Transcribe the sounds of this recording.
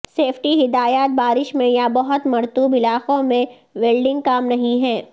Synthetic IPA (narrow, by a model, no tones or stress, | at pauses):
seːpʰʈiɦɪd̪aːjaːt̪̚baːɾɪʃmẽjabɐɦʊt̪mɐɾt̪uːbɪlaːqõmẽ | ʋeːlɖɪ̃ŋɡkaːmnɐɦĩɦɛː